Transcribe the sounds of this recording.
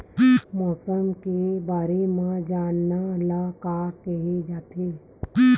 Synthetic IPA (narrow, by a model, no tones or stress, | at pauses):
mɔːsəmkebaːɾemãd͡ʒaːnːalakaːkɛɦed͡ʒaːt̪eː